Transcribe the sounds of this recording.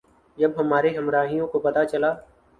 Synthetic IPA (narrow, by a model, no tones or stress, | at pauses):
jəbɦəmaːɾeːɦəmɾaːɦijõːkopət̪at͡ʃəlaː